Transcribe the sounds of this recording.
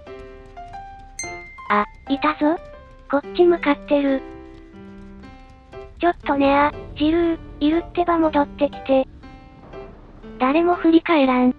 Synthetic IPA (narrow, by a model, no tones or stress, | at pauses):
a | it̪aso | ɡ̥o̞t͡ɕimɯ̟kat̪ːe̞ɾɯ̟ | t͡ɕo̞t̪ːo̞ne̞ad͡ʑiɾɯ̟̃ɰiɾɯ̟t̪ːe̞bamo̞d̪ot̪ːe̞kʲi̥t̪e̞ | d̪̥aɾe̞mo̞ɸɯ̟ɾʲikaeɾã